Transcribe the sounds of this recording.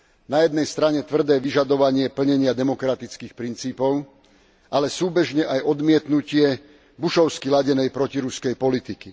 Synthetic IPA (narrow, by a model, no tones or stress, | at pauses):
najɛd̪nɛjst̪ɾaɲɛt̪ʋr̩d̪ɛːʋiʒad̪ɔʋaɲɪɛpl̩ɲɛɲɪad̪ɛmɔkɾat̪it͡skiːxpɾint͡siːpɔʊ | ʔalɛsuːbɛʒɲɛʔajɔd̪mɪɛt̪nucɪɛ | buʃɔʊskilaɟɛnɛjpɾɔciɾuskɛjpɔlit̪iki